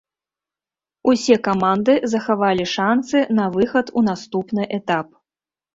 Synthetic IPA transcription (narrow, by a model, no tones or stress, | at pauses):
usʲɛkamand̪ɨzɐxavalʲiʂansɨnɐvɨxɐt̪unast̪upnɨʔɛt̪ap̚